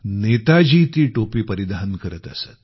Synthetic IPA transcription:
net̪ad͡ʑit̪iːʈopiːpəɾid̪aɦənkəɾət̪əsə̰t̪

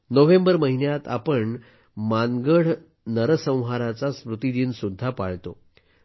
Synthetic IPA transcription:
nəʋembəɾməɦinjat̪a̰pəɳ | maŋɡəɽ̤ | nəɾəsə̃w̃ɦaɾat͡saspɾut̪id̪iːnsud̪ʱːapaɭt̪o

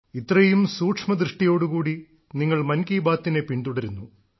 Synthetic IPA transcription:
it̪ːrɐjumsuːʈʂmɐd̪rɨʂʈijo̞ːɽukuːɽi | niŋːɐɭmɐnkiːbaːt̪ːinepiɳd̪uɽɐɾunːu

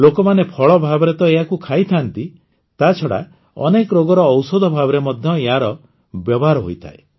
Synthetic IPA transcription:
lokɔmanepʰɔɭɔbʱabɔɾet̪ɔeɦakukʰajt̪ʰant̪i | t̪at͡ʃʰɔɽa̰ | ɔ̰nekɔɾoɡɔɾɔːwsɔd̪ʱɔbʱabɔɾemɔd̪ʱjɔeɦaɾɔ | bjɔbɔɦaɾɔɦo̰jt̪ʰa̰e

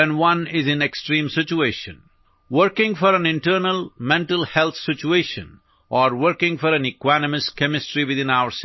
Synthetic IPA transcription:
ɛ̃nwʌ̃nɪzɪ̃neksʈɾĩːmsɪt͡ʃueːʃə̰̃n | ʋəɾkɪ̃ŋɡfɔɾæ̃nɪ̃ɳʈəɾnəlmɛ̃ɳʈəlhɛlt̪ʰsɪt͡ʃueːʃə̰̃n | ʔɔɾʋəɾkɪ̃ŋɡfɔɾæ̃nɪkwanəmɪskɛmɪsʈɾiʋɪd̪ɪ̃naʊəɾs

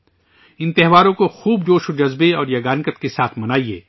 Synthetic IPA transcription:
ɪ̃nt̪ɪɦʋaːɾõkoxuːbd͡ʒoːʃod͡ʒɐzbeɔːɾjɐɡaːnkət̪kesaːt̪ʰmɐnaːiḛː

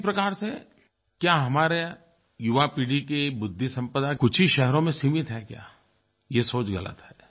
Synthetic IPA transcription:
pɾɐkaːɾse | kjaːɦɐmaːɾe | jʊʋapiːɽikebʊd̪ʱːisɐ̃mpəd̪akʊt͡ʃʰiʃɛɦɾõmẽsiːmɪt̪ɦɛkja̰ː | jesoːt͡ʃɡɐ̰lə̰t̪ɦɛː

